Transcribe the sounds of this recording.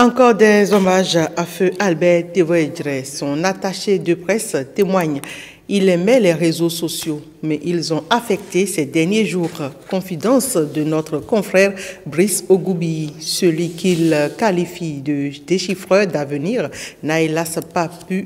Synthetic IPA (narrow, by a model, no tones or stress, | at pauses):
ɑ̃kɔʁd̪ɛzɔmaʒaføʔalbɛʁt̪evɛdʁɛsɔ̃nat̪aʃed̪əpχɛst̪emwaɲ | ilɛmɛlɛʁezososjo | mɛʔilzɔ̃ʔafɛk̚t̪esɛd̪ɛʁnjeʒuːʁkɔ̃fid̪ɑ̃sd̪ənɔt̪χəkɔ̃fχɛʁbʁisoɡubisəlɥikilkalifid̪əd̪̥eʃifχœʁd̪avəniːʁnaelaspapy